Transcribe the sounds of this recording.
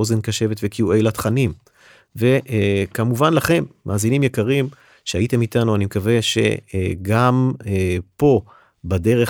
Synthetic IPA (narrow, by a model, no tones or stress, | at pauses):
ozenkaʃe̞vet̪vekjue̞jlat̪χanim | ve̞ʔkamuvanlaχe̞mːʔa̰ːzinimjekaʁim | ʃeaite̞mitanuanimekave̞ʃe̞̰ɡam | po̞ | bade̞ʁe